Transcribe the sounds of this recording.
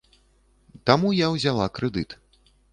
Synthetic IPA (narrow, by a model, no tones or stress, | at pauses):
t̪amujawzʲalˠakɾɛd̪ɨt̪